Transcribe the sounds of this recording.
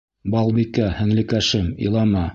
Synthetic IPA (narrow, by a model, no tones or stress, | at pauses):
bɑlˠbikæhɘ̆ŋlɘ̆kæʃɘmḭlˠɑmɑ